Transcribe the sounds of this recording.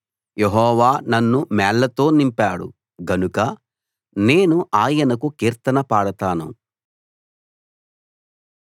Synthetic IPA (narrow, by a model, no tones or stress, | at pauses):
jeɦɔːʋaːnɐnːumɛːlːɐt̪o̞ːnimpaːɽṵ | ɡɐnukɐ | ne̞ːnuʔaːjɐnɐkukiːɾt̪ɐnɐpaːɽɐt̪aːnṵ